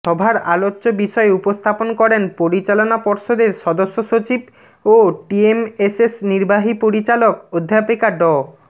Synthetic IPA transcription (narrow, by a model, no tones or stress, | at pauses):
ʃɔbʱaɾa̰lotːɕobiʃɔeupost̪ʰaponkɔɾenpoɾit͡ɕalonapɔɾʃod̪eɾʃɔd̪oʃːoʃot͡ɕib | oʈiemesesniɾbaɦipoɾit͡ɕalokod̪ʱːajapikaɖɔ